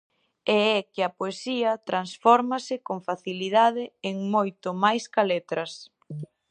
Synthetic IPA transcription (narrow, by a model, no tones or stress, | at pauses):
ɛɛkɪɐpoesiɐt̪ɾansfɔɾmɐsɪkoŋfaθilið̞að̞ɪeŋmojt̪omajskalet̪ɾɐs